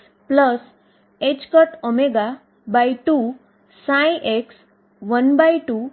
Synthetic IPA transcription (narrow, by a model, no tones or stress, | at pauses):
pləs | ed͡ʑkəʈomeɡa | bajʈu | sãjʔeks | ʋənbajʈu